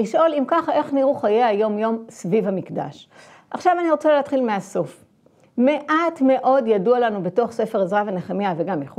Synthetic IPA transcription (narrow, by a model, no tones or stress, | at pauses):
liʃʔo̞limkaχae̞χniʁuχajeajo̞mjo̞msvivamikda̰ʃ | ʔaχʃavaniʁot͡saleat̪χilmeaso̞f | me̞ʔatme̞ʔo̞djadualanubeto̞χse̞fe̞ʁezʁaveneχamjaveɡamjeχu